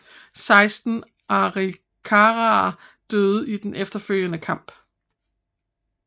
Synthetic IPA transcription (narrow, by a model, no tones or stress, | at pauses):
sɑ̈ɪsd̥n̩ | ʔɑ̈ʁi | kʰɑʁɑd̥øːð̞̩ˠid̥enʔefd̥ɐføl̰jənəkʰɑ̈m̰b̥